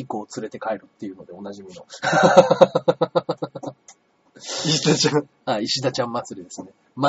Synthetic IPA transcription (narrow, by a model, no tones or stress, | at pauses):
ikoːt͡sɨɾe̞t̪e̞kaeɾɯ̟t̪ːe̞jɯ̟no̞d̪e̞o̞naʑimʲino̞ | iɕid̪at͡ɕã | aiɕid̪at͡ɕãmːat͡sɨɾʲid̪e̞sɨne̞ | ma